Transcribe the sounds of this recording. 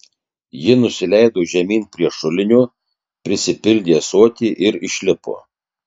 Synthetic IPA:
jɪnʊsʲɪlʲæɪd̪oːʒʲɛmʲiːnpʲɾʲiɛʃʊlʲɪnʲuː | pʲɾʲɪsʲɪpʲɪlʲd̪ʲeːsoɔt̪ʲiːʔɪɾɪʃʲlʲɪpo̰ː

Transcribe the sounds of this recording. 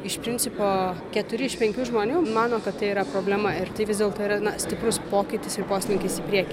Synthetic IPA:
ɪʃpʲɾʲɪnʲt͡sʲɪpoːkʲɛt̪ʊɾʲɪɪʃpʲɛŋʲkʲuːʒmoːnʲuːmɑːnoːkɐt̪t̪ɐɪiːɾɐpɾoːbʲlʲæmɐɪɾt̪ɐɪʋʲɪzʲd̪ʲeːlˠt̪oːiːɾɐnɐsʲt̪ʲɪpɾʊspoːkʲɪt̪ʲɪsɪrpoːsʲt̪ʲɪnʲɪŋʲkʲɪsiːpʲɾʲiɛkʲiː

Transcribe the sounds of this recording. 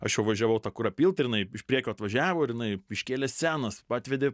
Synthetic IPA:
ɐʃjɛʊʋɐʒʲæʋɐʊt̪ɑːkʊɾɐpʲiːlˠt̪ɐɾjɪnɐɪɪʃpʲɾʲiɛkʲoːɐt̪ʋɐʒʲæːʋoːɪɾjɪnɐɪɪʃʲkʲeːlʲɛssʲæːnɐspɑːt̪ʲʋʲɛd̪ʲe

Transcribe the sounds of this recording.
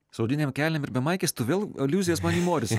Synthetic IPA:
sɐʊd̪ʲɪnʲeːmkʲæːlʲɛmɪɾbʲɛmɐɪkʲesʲt̪ʊʋʲeːlˠɐlʲuːzʲɪjɛsmɑːniːmoːɾʲɪs

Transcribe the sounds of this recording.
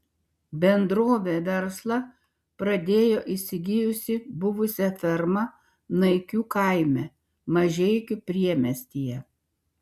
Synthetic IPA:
bʲɛnd̪ɾoːʋʲeʋʲɛɾslˠɐ | pɾɐd̪ʲeːjoːʔɪsʲɪɡʲɪjʊsʲɪbʊʋʊsʲɛfʲɛɾmɐ | nɐɪkʲuːkɐˑɪmʲɛ | mɐʒʲɛɪkʲɪpʲɾʲiɛmʲɛsʲt̪ʲijɛ

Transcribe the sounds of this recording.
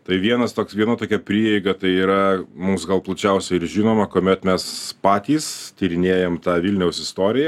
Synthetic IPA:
t̪ɐɪʋʲiɛnɐst̪oːksʋʲiɛnɐt̪oːkʲɛpʲɾʲiːjɛɪɡɐt̪ɐɪiːɾɐmumsɡɐlˠplˠɐt͡ʃʲɛʊsʲɛɪɾʒʲinoːmɐkoːmʲɛt̪mʲɛspɑːt̪ʲiːst̪ʲiːɾʲɪnʲeːjɛmt̪ɑːʋʲɪlʲnʲɛʊsɪst̪oːɾʲɪjɛ

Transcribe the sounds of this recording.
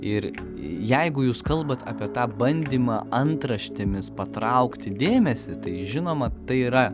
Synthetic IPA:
ɪɾ | jɛɪɡʊjuːskɐlˠbɐt̪ɑ̰ːpʲiɛt̪ɑːbɐnʲd̪ʲiːmɑːʔɐnt̪ɾɐʃʲt̪ʲɪmʲɪspɐt̪ɾɐʊkt̪ʲɪd̪ʲeːmʲɛsʲɪt̪ɐɪʒʲɪnoːmɐt̪ɐɪiɾɐ

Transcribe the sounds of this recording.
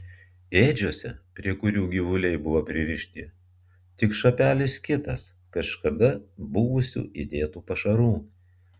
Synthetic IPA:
eːd͡ʒʲoːsʲɛpʲɾʲiɛkʊɾʲuːɡʲiʋʊlʲɛɪbʊʋopʲɾʲɪʋʲɪʃʲt̪ʲɪ | t̪ʲɪkʃɐpʲæːlʲɪskʲɪt̪ɐs | kɐʃkɐd̪ɐbʊʋʊsʲṵːʔid̪ʲeːt̪uːpɐʃɐɾuː

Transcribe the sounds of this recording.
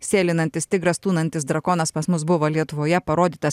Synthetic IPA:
sʲeːlʲɪnɐnʲt̪ʲɪst̪ʲɪɡɾɐst̪uːnɐnʲt̪ʲɪsd̪ɾɐkɔːnɐspɐsmʊsbʊʋoːlʲiɛt̪ʊʋoːjɛpɐɾoːd̪ʲiːt̪ɐs

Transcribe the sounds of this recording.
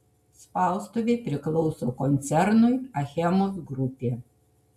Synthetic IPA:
spɑˑlˠst̪oʋʲeɪpʲɾʲɪklˠɔʊsoːkɔnʲt̪sʲɛɾnʊɪɐxʲɛmoːsɡɾʊpʲeː

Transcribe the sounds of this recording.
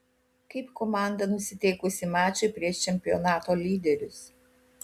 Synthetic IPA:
kɐɪpkɔmɑˑnd̪ɐnʊsʲɪt̪ʲɛɪkʊsʲɪmɑːt͡ʃʲɛɪpʲɾʲiɛʃt͡ʃʲɛmʲpʲɪɔnɑːt̪oːlʲiːd̪ʲɛɾʲʊs

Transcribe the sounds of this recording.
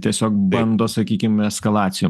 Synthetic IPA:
t̪ʲiɛsʲoːk̚bɐnd̪oːsɐkʲiːkʲɪmɛskɐlˠɑːt̪sʲɪjo

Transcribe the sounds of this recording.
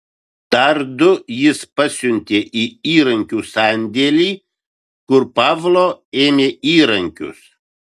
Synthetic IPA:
t̪ɐɾd̪ʊjɪspɐsʲʊnʲt̪ʲeːʔiːiːɾɐŋʲkʲuːsɑnʲd̪ʲeːlʲiː | kʊɾpɑːʋlˠoːeːmʲeːiːɾɐŋʲkʲʊ̰s

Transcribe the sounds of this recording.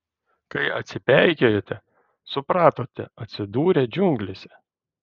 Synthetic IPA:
kɐɪʔɐ̰t̪ʲsʲɪpʲɛˑɪkʲɛjoːt̪ʲɛ | sʊpɾɑːt̪oːt̪ʲɛɐt̪ʲsʲɪd̪uːɾʲɛd͡ʒʲʊŋɡlʲɪsʲɛ̥

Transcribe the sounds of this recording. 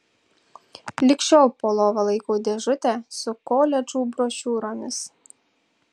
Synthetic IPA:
lʲɪkʃʲoːlˠpoːlˠoːʋɐlˠɐɪkuːd̪ʲɛʒʊt̪ʲɛsʊkoːlʲɛd͡ʒuːbɾoːʃʲuːɾoːmʲɪs

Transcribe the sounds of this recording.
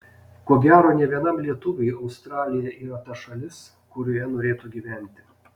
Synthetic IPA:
koːɡʲæːɾoːnʲɛʋʲiɛnɐmlʲiɛt̪ʊʋʲɛɪɒʊst̪ɾɑːlʲɪjɛʔiːɾɐt̪ɐʃɐlʲɪs | kʊɾʲoːjɛnoːɾʲeːt̪uːɡʲiːʋʲæˑnʲt̪ʲɪ̥

